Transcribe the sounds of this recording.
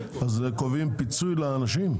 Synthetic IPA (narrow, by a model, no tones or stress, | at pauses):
azekovimpit͡sujlaːnaʃim